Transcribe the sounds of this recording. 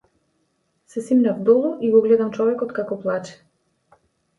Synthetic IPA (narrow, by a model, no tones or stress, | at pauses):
sɛsimnavd̪ɔlˠuʔiɡɔɡlɛd̪amt͡ʃɔvɛkɔt̪kakɔplˠat͡ʃɛ̥